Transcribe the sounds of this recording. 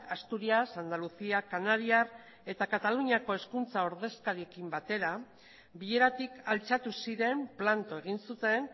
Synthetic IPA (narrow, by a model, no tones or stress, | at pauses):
ast̪uɾiasand̪alusiakanaɾiar | e̞t̪akat̪aluɲako̞e̞skunt͡saoɾðe̞skaɾiekimbat̪e̞ɾa | biʎe̞ɾat̪ikalt͡ʃat̪usiɾe̞mplant̪o̞e̞ɣ̞insut̪e̞n